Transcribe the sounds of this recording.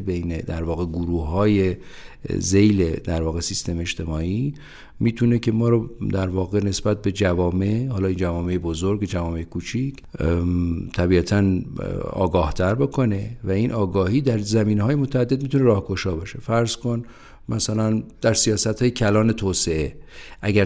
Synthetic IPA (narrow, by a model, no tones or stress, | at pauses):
be̞jned̪æɾvɒːɣe̞ɡuɾuːhːɒːje | ze̞jled̪æɾvɒːɣe̞sist̪e̞meeʃt̪e̞mɒːʔi | miːt̪ʰune̞cʰe̞mɒːɾod̪æɾvɒːɣe̞ne̞sbæt̪̚be̞d͡ʒævɒːmehɒːlɒːind͡ʒævɒːme̞jebozoɾɡed͡ʒævɒːme̞jekʰuːt͡ʃʰicʰ | t̪ʰæbiæt̪ʰænɒ̰ːɡɒːht̪ʰæɾbokʰo̞ne̞væinʔɒːɡɒːhiːd̪æɾzæmiːneɦɒːjemo̞t̪ʰææd̪ːed̪̚mit̪ʰuneɾɒːhkoʃɒːbɒːʃe̞fæɾzkon | mʔæsælænd̪̥æɾsijɒːsæt̪hɒːjecʰælɒːne̞t̪ʰoːse̞e̞ʔæɟæ